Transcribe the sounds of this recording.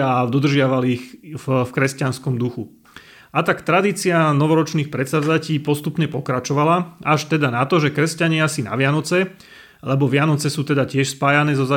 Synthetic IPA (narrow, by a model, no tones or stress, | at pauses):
ad̪ɔd̪r̩ʒɪaʋaliːxfkɾɛscanskɔmd̪uxu | ʔat̪akt̪ɾad̪iːt͡sianɔʋɔɾɔt͡ʃniːxpɾɛt̪sad͡zaciːpɔst̪upɲɛpɔkɾat͡ʃɔʋalaaʃt̪ɛd̪anat̪ɔʒɛkɾɛscaɲɪasina̰ʋɪanɔt͡sɛ | lɛbɔʋɪanɔt͡sɛsuːt̪ɛd̪acɪɛʃspaːjanɛːzɔza